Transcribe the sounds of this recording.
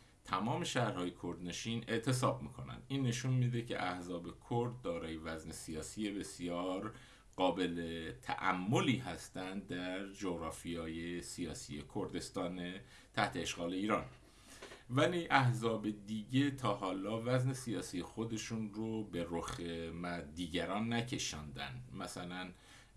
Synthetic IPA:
t̪ʰæmɒːme̞ʃæhɾhɒːje̞kʰo̞ɾd̪ne̞ʃiːne̞ʔt̪ʰe̞sɒːb̚miːkʰo̞næ̰nd̪̥ʔiːnːe̞ʃunmid̪e̞cʰe̞̰ʔæhzɒːbe̞kʰoɾd̪̚ːɒːɾɒːje̞væzne̞sijɒːsiːje̞be̞sijɒːɾ | ɢ̥ɒːbe̞let̪ʰæ̰ʔæmːo̞liːɦæst̪ænd̪̚d̪æɾd͡ʒoɣɾɒːfijɒːjesijɒ̰ːsḭjekʰoɾd̪e̞st̪ɒːne | t̪ʰæht̪ʰeːʃɡɒːle̞iːɾɒːn | væliʔæhzɒːbe̞d̪iːɟe̞t̪ʰɒːɦɒːlɒːvæzne̞sijɒːsiːjexo̞d̪e̞ʃunɾobe̞ɾoxemæd̪iːɟæɾɒːnːæcʰe̞ʃɒːnd̪æ̰nd̪mæsælæn

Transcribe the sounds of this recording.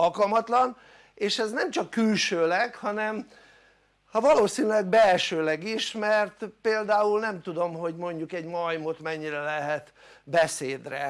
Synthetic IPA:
ɒlkɒlmɒt̪lɒn | eːʃɛznɛmt͡ʃɒkːylʃøːlɛɡhɒnɛm | hɒvɒloːsinylɛɡ̚bɛlʃøːlɛɡiʃmɛrt̪peːld̪aːulnɛmt̪ud̪o̞mɦo̞ɟmo̞ɲɟukɛɟmɒjmot̪mɛɲːiɾɛlɛɦɛt̪ | bɛseːd̪rɛ

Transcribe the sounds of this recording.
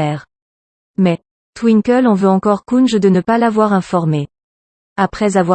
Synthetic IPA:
ɛːʁ | mɛ | t̪wiŋkəlɔ̃vøɑ̃kɔʁkunʒəd̪ənəpalavwaʁɛ̃fɔʁme | apχɛzavwa

